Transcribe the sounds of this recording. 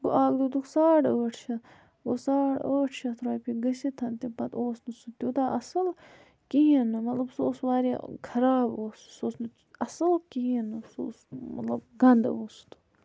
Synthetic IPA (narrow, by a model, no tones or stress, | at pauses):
bṵʔaːɡd̪ud̪uksaːʈəːʈʰt͡ʃʰɐ | osaːɽəːʈʰt͡ʃʰɐt̪ʰɾaːpiɡɐsit̪ʰɐnt̪ipɐt̪oːsnɨsut̪ʲuːt̪aːʔɐsɨl | kiɦinːɨmɐt̪lɐbsoːsʋaːɾikʰɐɾaːboːssoːsnɨ | ɐsɨlkiɦinːɨso̰ːsmɐ̰t̪lɐb̚ɡɐnd̪oːst̪u̥